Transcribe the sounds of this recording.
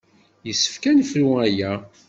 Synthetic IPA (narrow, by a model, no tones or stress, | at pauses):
jəsːə̥fkænfluæjæ